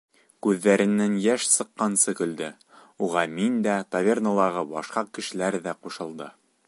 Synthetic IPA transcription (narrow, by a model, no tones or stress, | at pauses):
kʉðːæɾɘ̆nːænjæʃsɤ̆qːɑnsɤkɵ̆ld̪ɘ | uʁɑmind̪æt̪ɐvʲernŏlˠɑʁɤbɑʃqɑkɘ̆ʃɘ̆læɾðæquʃɤ̆lˠd̪ɤ